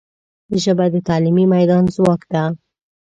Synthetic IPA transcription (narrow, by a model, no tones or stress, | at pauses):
d̪əʒəbad̪ət̪ɑlimimajd̪ɑnzwɑkd̪a